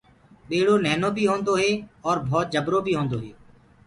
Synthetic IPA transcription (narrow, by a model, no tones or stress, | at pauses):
ɓeːɽoːnɛːnõːbʱiːɦõːnd̪oːɦeːɔːɾbʱɔːt̪̚d͡ʒəbɾoːbʱiːɦõːnd̪oːɦeː